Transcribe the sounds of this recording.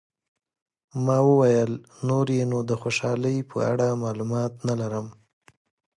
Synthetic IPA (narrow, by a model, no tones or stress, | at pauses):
mɑwəwajəl | noɾjenod̪əxoʃɑləjpʰə̰a̰ɽamɑlumɑt̪nalaɾəm